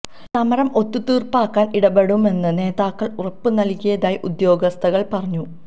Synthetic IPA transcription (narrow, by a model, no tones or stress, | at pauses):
sɐmɐɾɐmʔo̞t̪ːut̪iːrpaːkːaːniɽɐbeɽume̞nːɨne̞ːðaːkːɐɭurɐpːɨnɐlkʲːijɐðaːjiʔud̪jo̞ːɡɐst̪ʰɐɣɐɭpɐrɐɲːu